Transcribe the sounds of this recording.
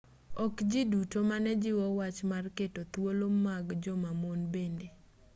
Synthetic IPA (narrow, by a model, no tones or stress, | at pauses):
ɔkd͡ʒɪdutomanɛd͡ʒɪwɔwat͡ʃmarketot̪wolomːaɡd͡ʒɔmamonbende